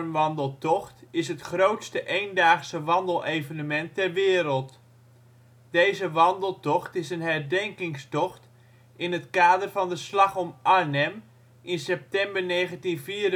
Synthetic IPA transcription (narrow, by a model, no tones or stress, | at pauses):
mʋɑndəlˠtɔχtɪsɦətχrowtstəʔejndaːχsəʋɑndəlˠʔejvənəmɛntɛɹʋɪːɾəlˠt | d̥ejzəʋɑndəlˠtɔχtɪsənɦɛɹdɛŋkɪŋstɔχt | ɪnɦətkaːdərvɑndəslɑχɔmʔanɛm | ʔɪnsɛp̚tɛmbəɹnejχəntinviːɾ